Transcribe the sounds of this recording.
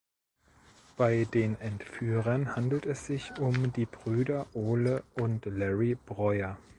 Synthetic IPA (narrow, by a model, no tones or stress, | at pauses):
b̥aɪdeːnʔɛntfyːʁɐnhandl̩tɛsz̥ɪçʊmdiːbʁyːdɐʔoːləʔʊntlɛʁib̥ʁɔʏɐ